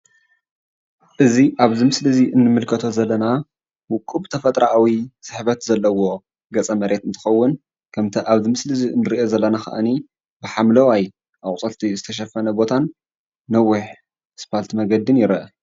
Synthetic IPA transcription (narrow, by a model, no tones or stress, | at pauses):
ʔɨziʔaβzimɨslɨziʔɨnːɨmɨlkʰɐt̪ʰo̞zɐlːɐna | wʊkʼːubt̪ʰɐfɐt̪ʼɾaʔawisɨħβɐt̪zɐlːɐwo̞ | ɡɐt͡sʼɐmɐɾʔe̞t̪ɨnt̪ʰɨ̥xɐwːʊn | kʰɐmt̪ʰɐʔaβzimɨslɨziɨnːɨɾiʔo̞zɐlːɐnaxa̰ʔani | bɨħamlɐwaj | ʔaχʼt͡sʼɐlt̪ʰizɨt̪ʰɐʃ̬ɐfɐnɐbo̞t̪ʰanː | ɐwːʊħ | spʰalt̪ʰimɐɡɐd̪ɨnjɪɾɐʔ